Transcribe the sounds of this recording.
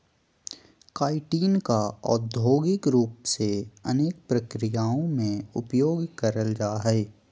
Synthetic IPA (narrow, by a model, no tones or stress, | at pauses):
kaːɪʈiːnkaɔ̰ːɾd̪ʱoːɡɪkɾuːpseɐneːk̚pɾɐkɾɪjaːõmẽʊpjoːɡkɐɾəld͡ʒaːɦɛeː